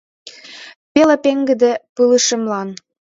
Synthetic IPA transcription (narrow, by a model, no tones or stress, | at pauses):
pelĕpeŋɡɘ̆d̪ĕpɯlɯʃə̆mlɑn